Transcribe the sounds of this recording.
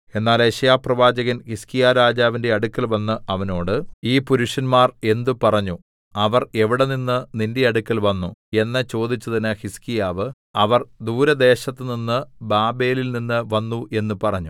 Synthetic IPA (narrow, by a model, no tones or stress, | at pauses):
e̞nːaːleɕɐjaːprɐʋaːd͡ʑɐɣɐnhiskijaːɾaːd͡ʑaːʋinde̞ɐɽukʲːɐlʋɐnːɨʔɐʋɐno̞ːɽɨiːpuɾuʂɐnmaːre̞nd̪upɐrɐɲːu | ɐʋɐre̞ʋiɽeninːɨninde̞ɐɽukːɐlʋɐnːue̞nːɐt͡ɕo̞ːd̪it͡ɕːuðɐnɨxiskijaːʋɨ | ɐʋɐrd̪uːɾɐd̪e̞ːɕɐt̪ːɨninːɨbaːbeːlilninːɨʋɐnːuʔe̞nːupɐrɐɲːu